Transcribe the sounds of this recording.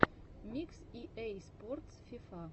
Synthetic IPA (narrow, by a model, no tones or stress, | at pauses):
mʲiksiʔejsport̪sfifa